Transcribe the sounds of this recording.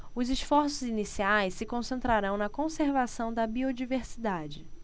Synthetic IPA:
ʊzɪʃfɔɾsʊzinisiajsːɪkõsẽnt̪ɾaɾɐ̃w̃nɐkõseɾvasɐ̃w̃d̪ɐbiod͡ʒiveɾsid̪ad͡ʒɪ

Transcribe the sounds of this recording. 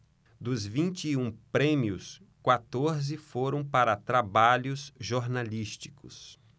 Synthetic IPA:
d̪ʊzvĩnt͡ʃiũpɾẽmiʊs | kwat̪oɾzɪfoɾɐ̃w̃paɾɐt̪ɾabaʎʊsʒoɾnaliʃt͡ʃi̥kʊs

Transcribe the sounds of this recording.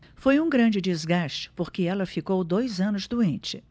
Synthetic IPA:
fojũɡɾɐ̃d͡ʒɪd͡ʒɪzɡaʃt͡ʃɪ̥poɾkɪɛlɐfikowd̪ojzɐ̃nʊzd̪uẽnt͡ʃɪ

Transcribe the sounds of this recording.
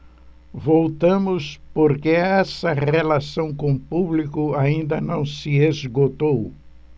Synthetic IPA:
vowt̪ɐ̃mʊspoɾkeɛsɐʁelasɐ̃w̃kõpublikʊaĩnd̪ɐnɐ̃w̃sɪezɡot̪ow

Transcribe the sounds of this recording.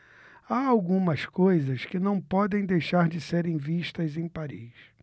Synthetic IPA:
aawɡũmɐskojzɐskɪnɐ̃w̃pɔd̪ẽj̃d̪ejʃaɾd͡ʒɪseɾẽj̃viʃt̪ɐzẽj̃paɾḭs

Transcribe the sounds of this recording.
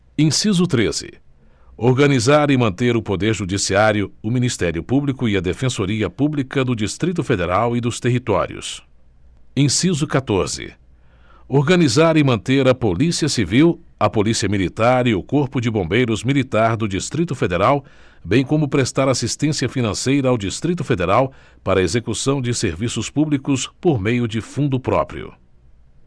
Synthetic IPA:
ẽsizʊt̪ɾezɪ̰ | oɾɡɐnizaɾɪmɐ̃nt̪eɾʊpod̪eɾʒud͡ʒisiaɾjʊʊmĩnist̪ɛɾjʊpublikʊiɐd̪efẽsoɾiɐpublikɐd̪ʊd͡ʒist̪ɾit̪̬ʊfed̪eɾawɪd̪ʊst̪eɦit̪ɔ̰ɾjʊ̰s | ẽsizʊkat̪oɾzɪ̰ | oɾɡɐnizaɾɪmɐ̃nt̪eɾɐpolisiɐsiviwɐpolisiɐmilit̪aɾiʊkoɾpʊd͡ʒɪbõbejɾʊzmilit̪aɾd̪ʊd͡ʒist̪ɾit̪ʊfed̪eɾaw | bẽj̃kõmʊpɾest̪aɾasist̪ẽsiɐfinɐ̃sejɾɐawd͡ʒist̪ɾit̪ʊfed̪eɾaw | paɾɐezekusɐ̃w̃d͡ʒɪseɾvisʊspublikʊspoɾmejʊd͡ʒɪfũnd̪ʊpɾɔ̰pɾḭʊ̰

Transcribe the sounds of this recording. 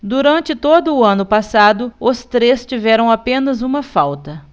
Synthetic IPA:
d̪uɾɐ̃nt͡ʃɪt̪od̪ʊːɐ̃nʊpasad̪ʊʊst̪ɾest͡ʃivɛɾɐ̃w̃apẽnɐzũmɐfawt̪ɐ

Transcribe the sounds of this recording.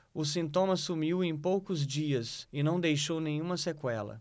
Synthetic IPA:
ʊsĩnt̪õmɐsumiwẽj̃powkʊzd͡ʒiɐsɪnɐ̃w̃d̪ejʃownẽj̃ũmɐsekwɛlɐ̰

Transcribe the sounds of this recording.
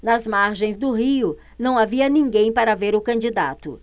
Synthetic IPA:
nɐzmaɾʒẽj̃zd̪ʊɦiʊ | nɐ̃w̃aviɐnĩŋɡẽj̃paɾɐveɾʊkɐ̃nd͡ʒid̪at̪ʊ̰

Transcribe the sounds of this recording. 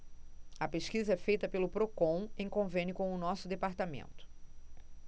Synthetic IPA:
ɐpeʃkizɐɛfejt̪ɐpelʊpɾokõw̃ẽj̃kõvẽnʲʊkõw̃ʊnɔsʊd̪epaɾt̪amḛ̃nt̪ʊ̥

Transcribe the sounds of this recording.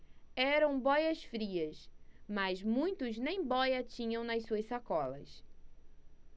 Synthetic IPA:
ɛɾɐ̃w̃bɔjɐsfɾiɐsmɐzmũj̃t̪ʊznẽj̃bɔjɐt͡ʃĩɲɐ̃w̃nɐsuɐssakɔlɐ̰s

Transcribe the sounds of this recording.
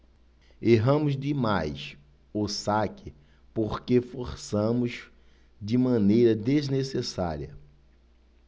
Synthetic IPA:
eɦɐ̃mʊzdɪmajs | ʊsakɪ | poɾkefoɾsɐ̃mʊs | d͡ʒɪmɐ̃nejɾɐd̪eznesesa̰ɾiɐ

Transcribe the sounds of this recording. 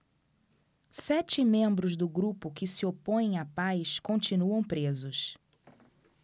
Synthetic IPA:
sɛt͡ʃɪmẽmbɾʊzd̪ʊɡɾupʊkɪsɪopõj̃ẽj̃apajskõnt͡ʃinuɐ̃w̃pɾezʊs

